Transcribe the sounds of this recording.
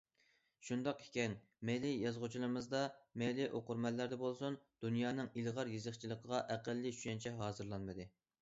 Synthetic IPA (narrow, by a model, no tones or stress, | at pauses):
ʃund̪ɑqe̥kʲɛn | mejlɪjɑzʁʊt͡ʃʰilˠɨmɨzd̪ɑmejlɪʔoqʊɾmɛlːæɾd̪ɛbolˠsund̪̥unjɑːnɨŋilʁɑɾjezəχt͡ʃʰilˠəqʰəʁɑʔæqælːɪy̥ʃɛnt͡ʃʰɛɦɑːzɨɾlˠɑnmɨd̪ɨ